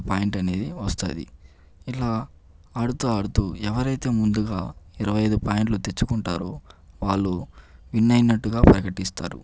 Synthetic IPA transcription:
paːjiɳʈɐne̞ːd̪iʋɐst̪a̰ːd̪ḭ | ilaː | ɐɽut̪oːɐɽut̪uːɛʋɐɾɐjt̪e̞ːmund̪uɡaːiɾɐʋɐjɐjd̪upaːjiɳʈlut̪e̞t͡ʃːukuɳʈa̰ːɾoːʋaːɭːuʋinːɐjnɐʈːuɡaːpɾɐkɐʈist̪a̰ːɾṵ

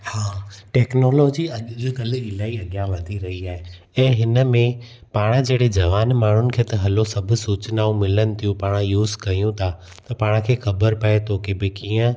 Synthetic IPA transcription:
haːʈɛːknoːloːd͡ʑiɐkɐlɪɪlaːiɐɠjaʋɐd̪ʱiɾɐɦiaːɦe | ɛ̃ːɦɪnəmẽ | paːɽ̃əd͡ʑeːɽed͡ʑɐʋaːnmaːɳ̤ʊnɪ̆kʰeːt̪ɐɦɐlosɐbʱʊ̆suːt͡ɕɪnaːũmɪlənɪ̆t̪ʰijũpaːɽ̃ajuːzkɐijũt̪ʰa | t̪ɐpaːɽ̃kʰeːxɐbəɾpɐet̪ʰokebɪkiːə̃

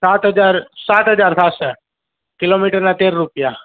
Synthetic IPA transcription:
saːt̪ɦəd͡ʒaːɾsaːt̪ɦɐd͡ʒaːɾsaːt̪sɛ | kɪloːmiːʈəɾnat̪eːɾɾupja

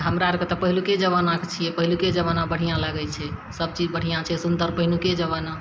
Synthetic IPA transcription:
ɦəmɾaɾket̪ɔpəɦiluked͡ʒəβanakt͡ʃʰijɛpəɦiluked͡ʒəβanãbəɽ̤ijãlaɡɛt͡ʃʰɛsəb̚t͡ʃid͡ʒbəɽ̤ijãt͡ʃʰɛsund̪əɾpəɦiluked͡ʒəβana

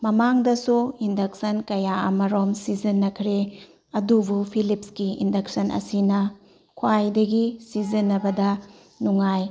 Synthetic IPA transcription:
mɐmaŋdɐsuindɐk̚sɐnkɐjaɐ̰mɐɾomsizɐnːɐkʰɾe | ɐdubupʰilipskiḭndɐk̚sɐnʔɐ̰sinɐ | kʰwajdɐɡisizɐnːɐbɐdɐ | nuŋaj

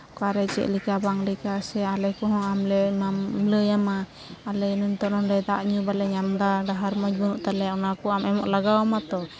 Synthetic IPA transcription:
kaɾɛt͡ʃɛ̰ʔlikabaŋlɛkasɛalɛkɔɦɔ̃amlɛmamləjamaː | lɛnuɲt̪ɔʔnɔndɛd̪aʔɲubalɛɲamd̪aɖaɦaɾmɔd͡ʒ̚bɔnuʔt̪alɛaʔunakɔamɛmɔʔlaɡawamat̪ɔ

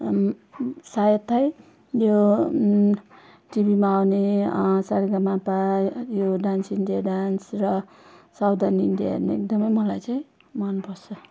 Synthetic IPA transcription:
sajʌt̪ʰːʌj | jo | ʈibimaawnesaɾɡamapajoɖansiɳɖijaɖansrʌ | sawd̪aniɳɖija̰ʌ̰rneḛk̚d̪ʌmʌjmʌlajt͡saĩ | mʌnpʌt͡sʰʌ

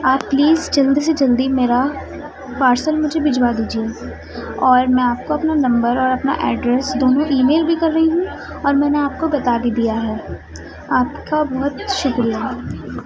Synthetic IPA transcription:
aːp̚pliːzd͡ʒɐld̪is̬ed͡ʒɐld̪imeːɾa | paːɾsəlmʊd͡ʒʱebɪd͡ʒwad̪iːd͡ʒieː | ɔːɾmɛ̃aːp̚koɐpnanɐ̃mbəɾɔːɾɐpna̰ʔɛːɖɾɛsd̪oːnõʔiːmeːlbʱikɐɾːɐɦiɦũ | ɔːɾmɛ̃ːneaːp̚kobɐt̪abʱid̪ijaɦɛː | aːp̚kabɐɦʊt̪ʃʊkɾija

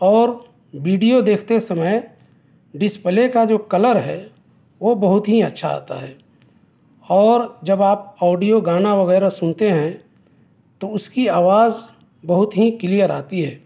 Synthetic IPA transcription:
ɔːɾ | ʋiːɖijod̪eːkʰt̪esɐməj | ɖɪspəlekad͡ʒoːkɐləɾɦɛː | ʋobɐɦʊt̪ɦiɐtːʃʰa̰a̰ːt̪a̰ɦɛː | ɔːɾd͡ʒɐbaːp̚ɔːɖijoɡaːnaʋɐɣɛːɾasʊnt̪eɦɛ̃ | t̪oʊskiaːʋaːz | bɐɦʊt̪ɦikɪlijəɾa̰ːt̪iɦɛː

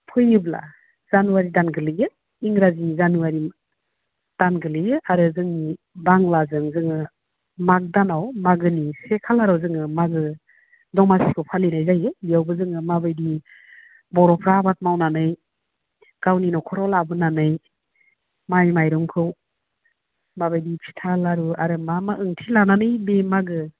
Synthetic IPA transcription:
pʰɯjɯbla̰ | z̥anuwaɾidanɡɯlɯjɯ | iŋɾazinizanuwaɾi | d̥anɡɯlɯjɯʔaɾɯzɯŋni | baŋlazɯŋzɯŋɯ | mak̚danawmaɡɯnisekʰalaɾawzɯŋɯmaɡɯ | dɔŋmasikʰɯwpʰalinajzajɯijawbɯzɯŋɯmabɯjdi | bɔɾɔpʰɾabat̚mawnanɯj | ɡ̥awninɔkʰɔɾɔlabɯnanɯj | majmajɾɔŋkʰɯw | mabɯjdipʰi̥tʰalaɾuaɾɯmamaɯŋtʰilananɯjbemaɡɯ

